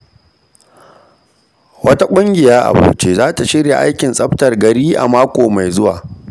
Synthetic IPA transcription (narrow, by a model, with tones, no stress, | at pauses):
wɐ˦ta˦kʷʼʊ˦ŋɡʲɪ˨jaː˦ʔa̰˨bo̰ː˨˦t͡ʃeː˦zaː˦ta˨ʃɪ˦ɽja˨ʔa˦jkʲɪ˨nsʼɐ˦ɸtɐ˨rɡɐ˨ɽiː˦ʔa̰˨maː˦kʷoː˨ma˨jzʊ˦wa̰ː˨